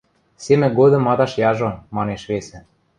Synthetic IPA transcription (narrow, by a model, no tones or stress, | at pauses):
semʲɘ̆ɡod̪ɤ̆mɑd̪ɑʃjɑʒomɑneʃβesɘ̆